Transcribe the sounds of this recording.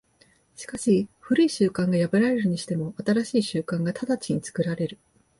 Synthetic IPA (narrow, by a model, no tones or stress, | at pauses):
ɕi̥kaɕiɸɯ̟ɾɯ̟iɕɨːkãŋɡajabɯ̟ɾaɾe̞ɾɯ̟ɲ̟iɕi̥t̪e̞mo̞at̪aɾaɕiːɕɨːkãŋɡat̪ʰad̪at͡ɕiɲ̟it͡sɨ̥kɯ̟ɾaɾe̞ɾɯ̟